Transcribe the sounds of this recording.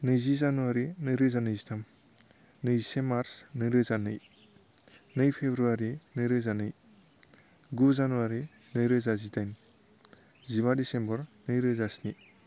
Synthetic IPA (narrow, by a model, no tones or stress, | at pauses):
nɯjzizanuwaɾinɯjɾɯzanɯjzitʰam | nɯjsemaɾsnɯjɾɯzanɯj | nɯjpʰebɾuaɾinɯjɾɯzanɯj | ɡuzanuwaɾi | nɯjɾɯzazitajn | ziβadisembɔɾnɯjɾɯzasni